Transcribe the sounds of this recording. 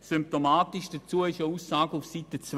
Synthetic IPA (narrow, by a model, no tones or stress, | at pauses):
symp̚tomaːtiʃd̥ɐt͡suəɪʃəuːsːaːɡəufsitət͡s